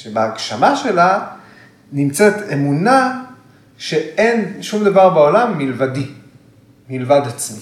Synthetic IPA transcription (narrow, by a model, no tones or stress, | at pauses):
ʃebeaɡʃamaʃe̞la | nimt͡set̪e̞muna | ʃe̞e̞nʃumd̪avaʁbeo̞lamːilvad̪i | milvad̪at͡smi